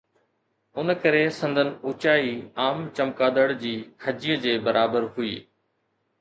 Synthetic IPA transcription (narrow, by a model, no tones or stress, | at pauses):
ʊnəkɐɾesɐ̃nd̪ʱənɪ̆ʊt͡ɕaːiaːmt͡ɕɐmkaːd̪əɽd͡ʑiːkʰɐd͡ʑijəd͡ʑeːbɐɾʔaːbəɾɦʊiː